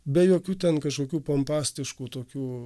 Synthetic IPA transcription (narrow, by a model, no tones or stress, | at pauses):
bʲɛjoːkʲuːt̪ʲɛnkɐʃkoːkʲuːpɐmpɑːsʲt̪ʲɪʃkuːt̪oːkʲuː